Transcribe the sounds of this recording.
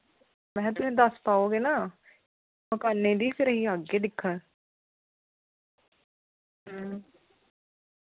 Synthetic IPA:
mɛ̃ːt̪ʊsẽːd̪əspaːoːɡeːnaː | məkaːnːẽːd̪iːpʰɪɾəɦiːaɡeːd̪ɪkʰːə̃ː | ɦː

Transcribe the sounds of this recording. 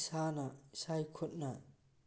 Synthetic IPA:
sanɐsajkʰɔt̚na

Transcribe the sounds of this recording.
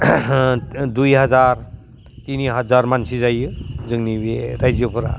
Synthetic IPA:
dujɦazaɾ | tiniɦazaɾmansizajɯzɯŋnibeɾajzjopʰɯɾa̰

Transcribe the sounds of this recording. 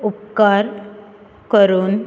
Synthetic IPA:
upkaɾ | kəɾuːn

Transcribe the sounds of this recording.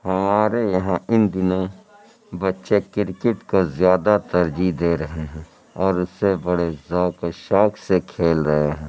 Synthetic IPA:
hɐmaːɾejɐɦãɪnd̪ɪnõ | bɐtːʃekɪɾkɪʈkozjaːd̪at̪ɐɾd͡ʒid̪eːɾɐɦeɦɛ̃ | ɔːɾʊsebɐɽezɔːkoʃɔːksekʰeːlɾɐɦeɦɛ̃ː

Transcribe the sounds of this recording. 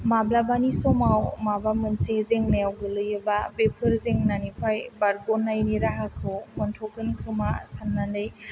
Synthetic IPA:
mablabanisɔmawmabamɯnsezeŋneawɡɯlɯjɯbabepʰɯɾzeŋnanipʰajbaɾɡɔnːajniɾaɦakʰɯwmɯntʰɔkɯnkʰɯmasanːandɯj

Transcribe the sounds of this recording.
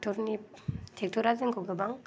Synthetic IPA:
tʰɔɾnitʰek̚tʰɔɾazɯŋkʰoɡɯbaŋ

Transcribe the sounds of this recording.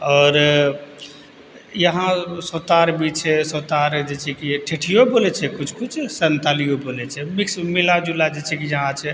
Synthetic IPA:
ɔːɾ | jəɦãsot̪aɾbit͡ʃʰɛsot̪aɾd͡ʒet͡ʃʰɛkiʈʰeʈʰijobolɛt͡ʃʰɛkut͡ʃʰkut͡ʃʰsənt̪alijobolɛt͡ʃʰɛmiksmilad͡ʒulad͡ʒet͡ʃʰɛkijəɦãt͡ʃʰɛ

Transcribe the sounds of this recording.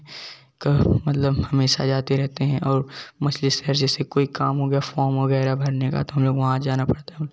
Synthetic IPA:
kamɐt̪ləbhɐmeːʃa̰d͡ʒaːt̪eɾɛɦt̪eɦɛ̃ʔɔːɾmɐslɪsɛɾd͡ʒɛːsekoːikaːmɦoɡɐjafɔːɾmʋɐɣɛːɾabʱɐɾneka̰t̪oɦɐmloːɡʋɐɦãd͡ʒaːnapɐɽt̪aɦ

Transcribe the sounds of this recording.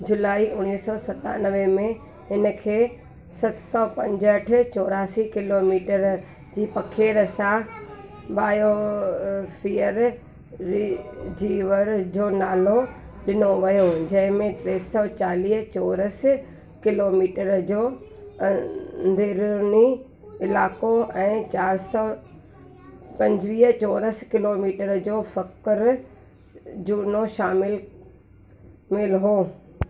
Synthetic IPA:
d͡ʑʊlaːiʔʊɽ̃iːsɔːsɐt̪a̰nəʋẽmẽ | ɪnəkʰeː | sɐt̪sɔːpɐ̃ɲd͡ʑəʈʰɪ̆t͡ɕɔːɾaːsikɪloːmiːʈəɾ | d͡ʑiːpɐkʰeːɾəsã | ɓaːjo | fʰiːəɾ | d͡ʑiːʋəɾd͡ʑoːnaːlo | ɗɪnoʋijod͡ʑɐ̃ɦɪ̃mẽʈɾeːsɔːt͡ɕaːliːɦt͡ɕɔːɾəs | kɪloːmiːʈəɾd͡ʑoːɐnd̪ʱeɾni | ɪlaːkoɛ̃ːt͡ɕaːɾsɔ | pɐ̃ɲd͡ʑʋiːɦt͡ɕɔːɾəskɪloːmiːʈəɾd͡ʑoːfɐkɪɾ | d͡ʑuːnoʃaːmɪl | mɪlɦoː

